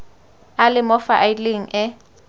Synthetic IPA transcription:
alɪmɔfaʔajleŋ̩ʔɪ

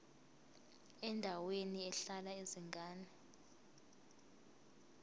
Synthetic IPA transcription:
ɛndʱaweniɛɬalaeziŋɡʱaːnɛ

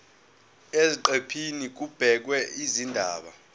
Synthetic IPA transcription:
eziǃepʰinik̬ub̥ʱɛk̬wɛizindʱaːɓa̰

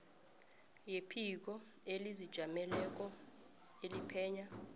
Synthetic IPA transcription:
jepʰik̬ɔ | elizid̥ʒ̥ʱamɛlɛk̬ʼɔ | elipʰɛːɲa

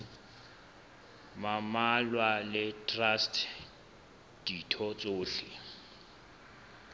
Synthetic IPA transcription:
mamalwalɪtʼrastʰ | d̥itʰɔt͡sʼoːɬɪ

